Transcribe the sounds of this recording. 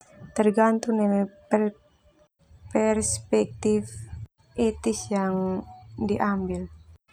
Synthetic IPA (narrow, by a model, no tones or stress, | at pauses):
t̪ərɡant̪unɛmɛ | pɛrspɛk̚t̪if | et̪isjaŋdiʔambil